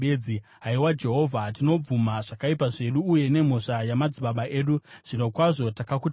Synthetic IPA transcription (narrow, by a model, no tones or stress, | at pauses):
eiɦaiwad͡ʒe̞ɦo̞vʱatino̞b͡vumaʐakaipaʐe̞ɗuːje̞ne̞m̤oʂajamad͡ziɓaɓaʔe̞ːɗuʐ̥inokwaʐo̞takakut